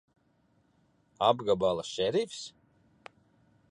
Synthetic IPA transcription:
abɡabalˠaʃɛɾifs

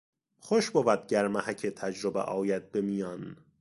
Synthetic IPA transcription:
χoʃbovæd̪̚ɟæɾmæhæcʰet̪ʰæd͡ʒɾobḛʔɒːjæd̪̚bemijɒn

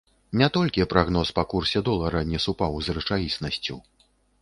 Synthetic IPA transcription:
nʲɛt̪ɔlʲkʲipɾaɣnɔspɐkursʲɛd̪ɔlˠɐɾɐnʲɛsupawzrɨt͡ʂajʲisnɐsʲt͡sʲu

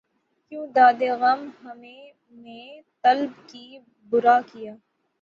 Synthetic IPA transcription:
kjũːd̪aːd̪eɣɐmɦɐmẽ | net̪ɐlbki | bʊɾaːkijaː

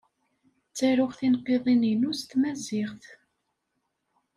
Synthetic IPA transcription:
t͡sːæɾʊχθinqːiðˤininust̪mæzɪʁθ

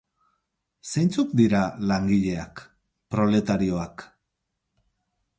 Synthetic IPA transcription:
sejnt͡sukd̪iɾalaŋɡiʎe̞a̰k | pɾo̞le̞t̪aɾio̞ak

